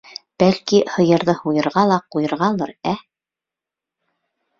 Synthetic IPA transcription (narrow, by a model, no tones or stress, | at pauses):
b̥ælkihɤ̆jɤ̆ɾðɤhujɤ̆ɾʁɑlˠɑqujɤ̆ɾʁɑlˠɤɾæ